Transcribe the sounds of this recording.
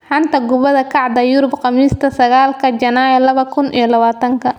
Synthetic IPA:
ħɑnt̪ʰɐɡʊβɐðɐkʰɑʕd̪ɐjʊɾʊbqɑmiːst̪ʰɐsɐɣaːlkʰɐt͡ʃɐnaːjɛlɐβɐkʰʊnʔḭjɔlɐβaːt̪ʰɐŋkʰɐ

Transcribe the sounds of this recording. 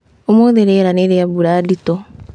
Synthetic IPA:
omoðeɾeɾaneɾeabuɾaːditɔ

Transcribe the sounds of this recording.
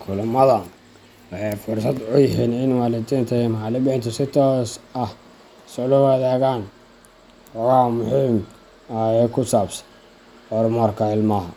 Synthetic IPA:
kʰʊlʊmɐðɐ | ɛfʊrsɐd̪ʊjɐɦiːnɪnwɑːlɪd̪iːnt̪ʰɛjɛmħɑlɪbɛɪnt̪ʰʊsɪt̪ʰɔːsɐh | sɔlʊwɑðɛːɣaːn | wɔwɑːmʊhiːm | aɛkʰʊsaːbsɐ̥n | ɔrmɔrkʰɐɪlmɐɦɐ

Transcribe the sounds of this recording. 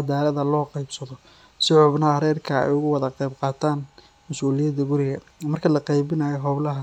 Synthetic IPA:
d̪aːlɐðɐlɔːqɑjbsɐðɔ | sɪʕɔbnɐhɐɾɛːrkʰɐɛ̰jʊɣʊwɑðɐqɑjbqɑːt̪ʰaːn | mɐsuːlɪjɐd̪ɐɡʊɾɪɣɐ | mɐrkʰɐlɐqɑjbɪnaːjɔɦɔblɐɦɐ

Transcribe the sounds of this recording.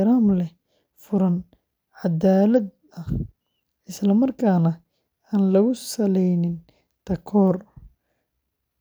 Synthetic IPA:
ɾaːmlɛ | fʊɾɐn | ʕad̪aːlɐd̪ | ɐh | ɪslɐmɐrkʰaːnɐ | aːnlɐɣʊsɐlɛjnɪn | t̪ʰɐkʰɔːr

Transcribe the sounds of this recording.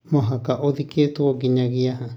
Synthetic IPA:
mõɦãkaʔoðikit̪ukokiɲãɣiaɦã

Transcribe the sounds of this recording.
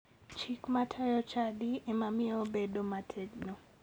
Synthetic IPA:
t͡ʃikmatʰajɔt͡ʃadiemamiobedomatʰɛɡno

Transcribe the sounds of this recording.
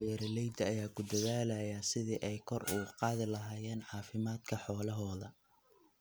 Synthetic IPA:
ɛːɾɐlɛjd̪ɐɐjaːkʰʊd̪ɐðaːlɐjɐsɪðiːʔɛjkʰɔruːqɑːðɪlɐɦaːjɛːnʕɑːfɪmaːd̪kʰɐħɔːlɐɦɔːðɐ

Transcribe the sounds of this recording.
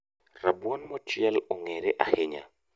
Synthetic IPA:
rabwɔnmɔt͡ʃɪɛlɔŋeɾeʔahɪɲa̰

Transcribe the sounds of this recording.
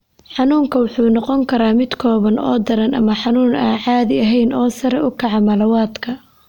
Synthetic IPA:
ħɑnuːŋkʰɐwʊħuːnɔqɔŋkʰɐɾaːmɪd̪kʰɔːβɐnɔ̰ːd̪ɐɾɐnʔɐ̰mɐħɑnuːnaːʕɑːðɪɐɦɛjnɔːsɐɾɛʊkʰɑʕɑmɐlɐwaːd̪kʰɐ

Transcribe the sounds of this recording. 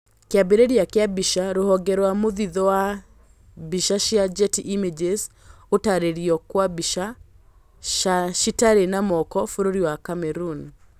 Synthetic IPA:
keabeɾeɾiakeabiʃaɾohɔɡɛɾwamoðiðɔwa | biʃaʃiad͡ʒɛtiʔimed͡ʒez | otaɾeɾiɔkwabiʃa | aʃitaɾenamɔkɔfoɾoɾiwakamɛɾun

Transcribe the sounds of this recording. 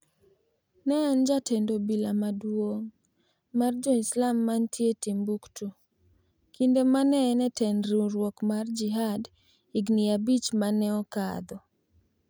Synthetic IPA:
nɛːnd͡ʒatendobilamadwoŋ | mard͡ʒɔɪslamːantʰjetimbuktu | kindemanɛnɛtɛnɾuɾwɔkmard͡ʒiɦad | iɡnɪabit͡ʃmanɛɔka̰d̪ɔ

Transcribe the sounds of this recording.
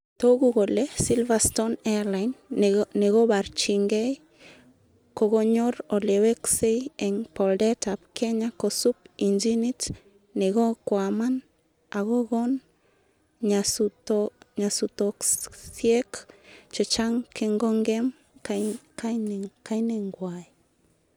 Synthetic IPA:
t̪oɡuɡolesilvast̪onelajnneɣobaɾt͡ʃiŋɡej | koɣoɲoɾoleweksejeŋpoldetapkʰeɲakosup̚ind͡ʒinit | neɣokwaman | aɣoɣon | ɲasutɲasutoksjekt͡ʃet͡ʃaŋkʰeŋɡoŋɡem | kakajneŋɡwaj

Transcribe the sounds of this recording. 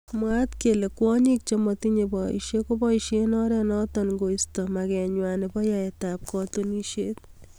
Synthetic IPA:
mwat̪kelekwɔɲik̚t͡ʃɔmɔt̪iɲepɔḭʃekopɔiʃenɔɾɛnɔtɔnŋɡoistɔmakɛɲwanepɔjaetap̚kɔtoniʃet̪̚

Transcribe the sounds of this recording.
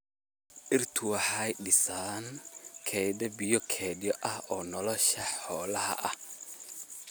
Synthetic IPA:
ʔɪrt̪ʰʊwɑħajɖɪsaːnkʰɛjðɐbɪjɔkʰɛːdɪjɔʔɐhɔːnɔlɔʃɐħħɔːlɐɦɐ̰ʔɐh

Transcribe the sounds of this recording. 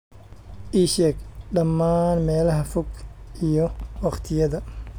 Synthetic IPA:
ʔiːʃɛɡɖɐmːaːnmɛːlɐɦɐfʊɡijɔwɑqt̪ʰɪjɐðɐ

